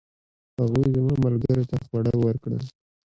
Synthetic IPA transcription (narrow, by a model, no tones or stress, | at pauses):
haɣujzmamalɡəɾot̪axwaɽəjwəɾkɽə̰